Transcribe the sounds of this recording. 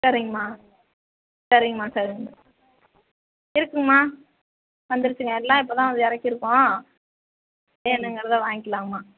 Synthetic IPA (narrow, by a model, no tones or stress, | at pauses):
sɐɾɪŋɡɐmaː | sɐɾɪŋɡɐmaːsɐɾɪŋɡɐ | ɪɾɯkːɯŋɡɐmaː | ʋɐnd̪ɯɾɯt͡ʃːɯŋɡɐɛlːãːɪp̬ːoːt̪ãːʋɐnd̪ɯɪɾɐkːɪɾɯkːõː | enːɯŋɡɐɾɐðaʋaːŋɡɪkːɐlaːŋɐmaː